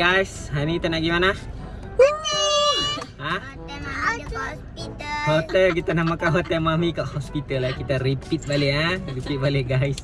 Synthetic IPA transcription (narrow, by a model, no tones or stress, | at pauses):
ɡajsɦanit̪anaʔɡimana | a | hot̪ɛlkit̪anamakaɦot̪ɛlmamikaʔhospit̪alakit̪aripit̪̚baliaripit̪̚baleɡais